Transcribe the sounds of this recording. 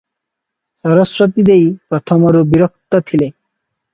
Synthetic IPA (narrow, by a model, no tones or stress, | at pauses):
sɔɾɔsɾɔt̪id̪ejpɾɔt̪ʰɔmɔɾubiɾɔk̚t̪ɔt̪ʰile